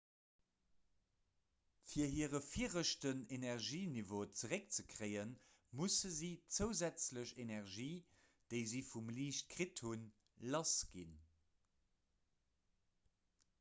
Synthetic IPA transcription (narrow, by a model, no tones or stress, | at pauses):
fiːɐɦiːəʁəfiːəʁəʃtənenɛʁʒiːnivoːt͡səʁek̚t͡səkʰʁeɪən | musəziːt͡səʊzæt͡sləɕenɛʁʒiː | d̥eɪzifumliːʃt̚kʁithun | lɑsɡ̥in